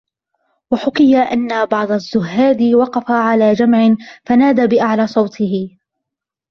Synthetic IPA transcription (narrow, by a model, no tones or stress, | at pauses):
waħʊkɪjaʔanːabɑʕd̪ˤazːʊɦːaːd̪ɪwɑqɑfaʕalaːd͡ʒamʕɪnfanaːd̪abɪʔaʕlaːsˤɑwt̪ʰɪhɪ